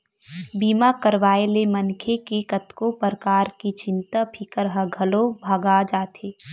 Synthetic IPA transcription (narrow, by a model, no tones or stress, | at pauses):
biːmakəɾʋaːelemənkʰekikət̪kopəɾəkaːɾkit͡ʃɪ̃nt̪apʰikəɾɦəɡʱɐlobʱaɡad͡ʒaːt̪ʰeː